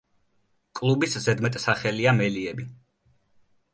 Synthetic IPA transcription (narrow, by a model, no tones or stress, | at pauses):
kʼlˠubiszɛd̪mɛt̪ʼsaχɛliamɛliɛbi